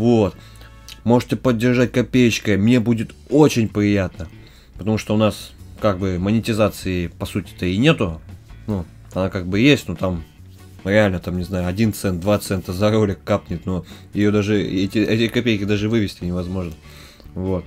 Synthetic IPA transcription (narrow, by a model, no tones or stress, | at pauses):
vot̪ | mo̞ʐɨtʲɪpədʲːɪrʐatʲkɐpʲejt͡ɕkəmnʲe̞budʲɪt̪o̞t͡ɕɪnʲpɾʲɪjat̪nə | pə̥t̪ɐmuʂt̪oʊnaskaɡ̚bɨmənʲɪtʲɪzat̪sɨɪpɐsutʲɪ̥t̪əɪnʲe̞t̪ʊnu | ɐnakaɡ̚bɨjesʲtʲnut̪am | ɾʲɪalʲnət̪amnʲɪznajʊɐdʲint̪sɛnt̪d̪vat̪sɛnt̪əzɐɾolʲɪkːapnʲɪt̪noɪjo̞d̪aʐɨɛtʲɪɛtʲɪkɐpʲejkʲɪd̪aʐɨvɨvʲɪsʲtʲɪnʲɪvɐzmo̞ʐnə | vo̞t̪̚